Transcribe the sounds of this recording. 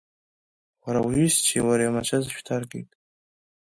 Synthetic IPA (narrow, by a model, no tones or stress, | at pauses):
waɾawɥist͡ʃʰiwaɾajamat͡ʃʰazʃᶣtʰarɡʼejtʼ